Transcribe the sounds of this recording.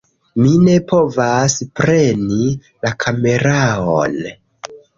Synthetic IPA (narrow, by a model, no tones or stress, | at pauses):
mine̞po̞vaspɾe̞ni | lakʰame̞ɾao̰n